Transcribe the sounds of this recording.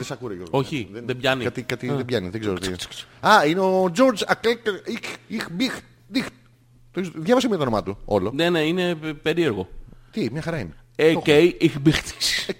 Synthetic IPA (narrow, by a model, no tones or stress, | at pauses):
ðesɐkuɾɐjoo̞çiðeðebʝɐniɐt̪ikat̪iðebʝɐniðeɡzeɾot̪i̥ɐineod͡ʒo̞ɾd͡ʒɐklekixixbix | d̪ixt̪ | t̪oizðjɐvɐs̬emuet̪onomɐt̪uolonene̞ine̞pe̞ɾie̞ɾɣo̞t̪imɲɐxɐɾɐineecejixbixt̪i̥si̥